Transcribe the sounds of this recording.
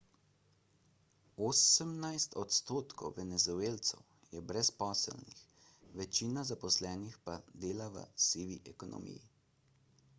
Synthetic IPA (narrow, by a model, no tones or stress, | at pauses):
oːsəmnajst̪ɔt̪st̪oːt̪kɔ̰wʋɛnɛzueːlt̪sɛ̰w | jɛbɾɛspɔːsə̰lnḭx | ʋɛt͡ʃiːnazapɔslɛːnixpad̪eːlaʋə̰siːʋiʔɛkɔnɔ̰mḭji